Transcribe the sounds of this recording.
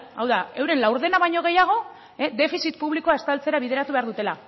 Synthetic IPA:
awðae̞wɾe̞nlawɾðe̞naβajɲo̞ɣ̞e̞jaɣ̞o̞ | ed̪e̞fisit̪puβliko̞aest̪alt͡se̞ɾaβið̞e̞ɾat̪uβe̞aɾðut̪e̞la

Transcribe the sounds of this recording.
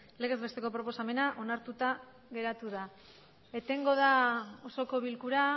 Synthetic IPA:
le̞ɣ̞e̞zβe̞st̪e̞ko̞pɾo̞po̞same̞naʔonaɾt̪ut̪a | ɣe̞ɾat̪uða | e̞t̪e̞ŋɡo̞ð̞ao̞so̞ko̞βilkuɾa

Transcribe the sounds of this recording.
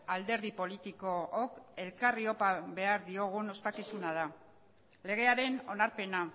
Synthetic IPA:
ald̪e̞ɾðipo̞lit̪iko̞ːke̞lkario̞paβe̞aɾðio̞ɣ̞uno̞spakisunað̞a | le̞ɣ̞e̞aɾe̞no̞naɾpe̞na

